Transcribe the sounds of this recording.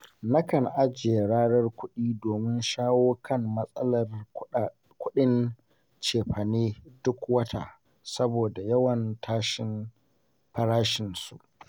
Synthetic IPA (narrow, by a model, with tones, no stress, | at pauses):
nɐ˦kɐ˨nʔa˦d͡ʒe˨ɽaː˦ɽɐ˦rkʷʊ˦ɗiː˦doː˨mɪ˦nʃaː˦woː˦kʰɐ˦˨mmɐ˦sʼɐ˦lɐ˨r | kʷʊ˦ɗɪ˦n | t͡ʃeː˨ɸɐ˨neː˦dʊ˦kwɐ˦tʰa̰˨ | sɐ˦boː˨da˨jɐ˦wɐ˨ntʰaː˦ʃɪ˦n | pɐ˦ɾaː˦ʃɪ˨nsṵ˨ʔ